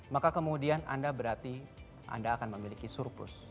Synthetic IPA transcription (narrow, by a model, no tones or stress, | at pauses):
makakəmudiana̰ndabəɾart̪i | ʔa̰ndaːkanməmilikisurpʊ̰s